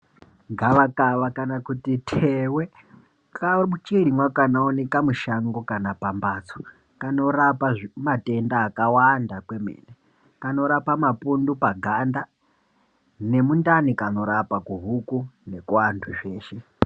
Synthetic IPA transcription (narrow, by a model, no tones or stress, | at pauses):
ŋɡʱaʋakaʋakanakutitʰewe | kamut͡ʃiɾimwakanaonikamuʃaŋɡokanapambaːt͡so̥ | kano̞rapaʐimate̞ndaːkawandakwemḛːne | kano̞ɾapamapundupaɡʱanda | ne̞mundanikano̞ɾapakuɦukune̞kuandʰʱuʐeːʃe